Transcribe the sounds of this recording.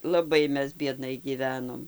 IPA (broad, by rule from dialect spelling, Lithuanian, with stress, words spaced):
lˠɐˈbɐɪ ˈmʲɛs bʲiɛˈdnɐɪ ɡʲiːˈʋʲæːnoːm